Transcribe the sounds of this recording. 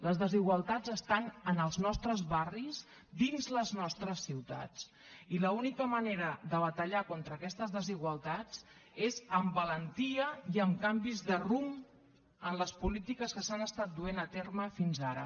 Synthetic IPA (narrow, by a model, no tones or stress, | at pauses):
ləzðəziɣwəlˠt̪ad͡zəst̪anənəlˠznɔst̪ɾəzβariz | d̪inzləznɔst̪ɾəsːiwt̪a̰t͡s | iləunikəməneɾəðəβət̪əʎakont̪ɾəːkɛst̪əzðəziɣwəlˠt̪ad͡z | ezəmbələnt̪iəiəmkambizðərum | ənləspulit̪ikəskəsanəst̪at̪̚d̪uenət̪erməfinzaɾə̰